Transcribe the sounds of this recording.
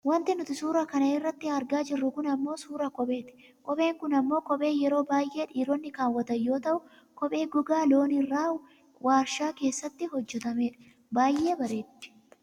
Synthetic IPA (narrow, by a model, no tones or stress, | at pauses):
wɐnt̪ɪnʊt̪ɪsuːɾɐkɐnɐɪrːɐt̪ːɪɐɾɡaːd͡ʒɪrːʊkʊnɐmːo̞ːsuːɾɐkɔbe̞ːt̪ɪ̥ | kʼɔɓe̞ːŋkʊnɐmːo̞ːkɔɓʼe̞ːjɛɾo̞ːbaːjʔe̞ːᶑiːɾɔnːɪkaːwːɐt̪ɐjːo̞ːt̪ɐʔʊ | kɔpʼe̞ːɡʊɡaːlo̞ːnɪrːaːʊ | waːɾʃaːke̞ːsːɐt̪ːɪɦɔd͡ʒːɛt̪ɐme̞ːᶑɐ̥ | baːjʔe̞ːbɐɾe̞ːt̪ːɪ̥